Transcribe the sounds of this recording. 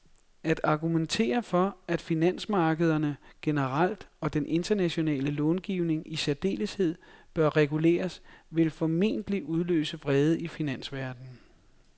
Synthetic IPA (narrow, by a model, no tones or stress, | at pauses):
æd̥ɑ̈ɡ̥ument͡sʰe̝̰ːɐfɒ̽æd̥finæn̰smɑ̈ːɡ̥əð̞ˠɐnəɡ̥e̝nəʁal̰d̥ɒ̽d̥enʔe̝nd̥ɐnæɕo̝nɛ̰ːləlɔːnɡ̥ḭːʊne̝ŋisæɐd̥e̝̰ːləshe̝ð̰ˠb̥ɶɐʁɛɡ̥ule̝̰ːɐsʋe̝lfɒ̽me̝̰ːnd̥əliʔuð̞ˠlø̰ːsəʋʁɛːð̞ˠəifinæn̰sʋæɐd̥n̩